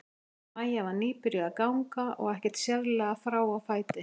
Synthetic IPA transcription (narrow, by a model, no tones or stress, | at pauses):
majavaɾniːpɪɾjʏaðkawŋkaɔ̰ɣɛhcɪ̥ɾ̥t̪sjɛɾlɛɣafɾaːwawfaːjt̪ɪ